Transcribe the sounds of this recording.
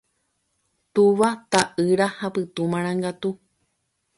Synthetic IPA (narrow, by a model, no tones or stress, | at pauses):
t̪uʋat̪aʔɨɾahapɨt̪umãɾ̃ãŋɡat̪u